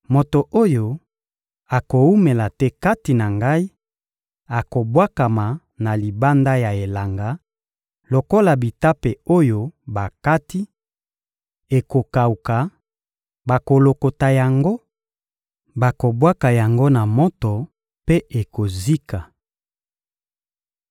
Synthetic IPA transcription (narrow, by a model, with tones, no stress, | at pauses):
mo˨to˨ʔo˦jo˦ | a˨ko˨u˦me˨la˨tɛ˦ka˦ti˨na˨ŋɡa˦i˦ | a˨ko˨bwa˦ka˨ma˨ | na˨li˨ba˦nda˦ja˨e˨la˨ŋɡa˨ | lo˨ko˦la˨bi˨ta˦pe˨o˦jo˦ba˨ka˦ti˦ | e˨ko˨ka˨u˨ka˨ | ba˨ko˨lo˨ko˨ta˨ja˨ŋɡo˦ | ba˨ko˨bwa˦ka˨ja˨ŋɡo˦na˨mɔ˦tɔ˨ | pe˦ʔe˨ko˨zi˦ka˨